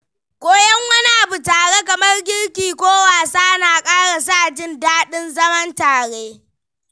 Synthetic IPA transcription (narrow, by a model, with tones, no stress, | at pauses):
kʷʼoː˦jɐ˦ŋwɐ˦ni˦ʔa˨bu˨taː˨ɽe˦kɐ˨mɐ˦rɡʲɪ˦ɽkʲiː˨kʷoː˦waː˨saː˦ʔnaː˨kʼaː˦ɽa˨s̬a˦ʔd͡ʒɪ˦ndaː˦ɗɪ˦nzɐ˦mɐ˦ntaː˨ɽe˦